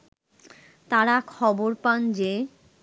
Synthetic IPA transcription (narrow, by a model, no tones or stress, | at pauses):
t̪aɾakʰɔboɾpand͡ʑe